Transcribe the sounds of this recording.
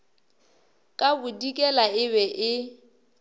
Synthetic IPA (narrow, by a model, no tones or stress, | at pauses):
kʼabʊdikʼɛlaɪβɛʔɪ